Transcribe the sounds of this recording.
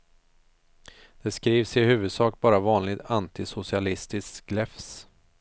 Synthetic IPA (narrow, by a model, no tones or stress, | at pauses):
d̪̥ɛskɾiːvsɪhʉ̟ːvɵd̪sɑːk̚bɑːɾavɑːnlɪɡt̪ant̪ɪsʊsɪalɪst̪ɪskɡlɛfs